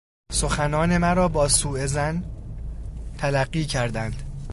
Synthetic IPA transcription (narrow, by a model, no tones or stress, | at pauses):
so̞xænɒːne̞mæɾɒːbɒːsuːe̞zæn | t̪ʰælæɢːiːcʰæɾd̪ænd̪̥